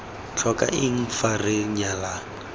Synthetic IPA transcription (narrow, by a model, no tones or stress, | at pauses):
t͡ɬʰɔka̰ʔɪŋ̩farɪɲala